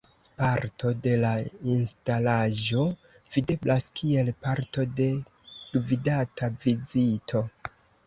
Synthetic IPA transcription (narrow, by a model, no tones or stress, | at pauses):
paɾtʰo̞de̞lainstalaʒo̞ | vide̞blʔaskʰie̞lpaɾto̞de̞ | ɡ̥vidatʰavizitʰo̞